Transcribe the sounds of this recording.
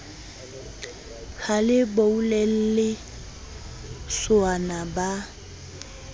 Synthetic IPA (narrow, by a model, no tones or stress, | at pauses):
kʰalɪboulɛl̩lɪ | sʊanaba